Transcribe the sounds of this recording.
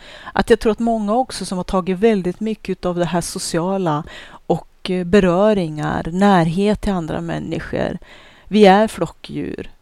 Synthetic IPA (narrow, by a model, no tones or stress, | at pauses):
ʔa̰t̪jɑːɡt̪ʰɾuːɾat̪mɔŋːaɔksɔsɔmhaʈʰɑːɡɪt̪vɛld̪ɪt̪mʏkːəʉːt̪avd̪ɛɦæːʂʊsɪɑːlaɔkbɛɾœːɾɪŋa̰ɾnæːɾɦeːt̪ʰːɪland̪ɾa̰mɛ̰nːɪ̰ɧə̰ɾ | vɪæɾfɽɔkːjʉ̟̰ːɾ